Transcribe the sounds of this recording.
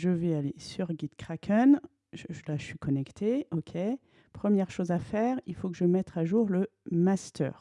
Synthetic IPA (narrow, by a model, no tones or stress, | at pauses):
ʒəvɛalesyʁɡʲid̪̥kχakʰœn | ʒəʒəlasɥikɔnɛkt̪ʰeɔkʲʰe | pχəmjɛʁʃozafɛʁilfokəʒəmɛt̪χaʒuʁləmast̪œ̰ːʁ